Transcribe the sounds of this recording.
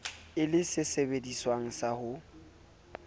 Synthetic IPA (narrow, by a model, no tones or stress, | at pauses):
ɪlɪsɪsebediswaŋ̩sahʊ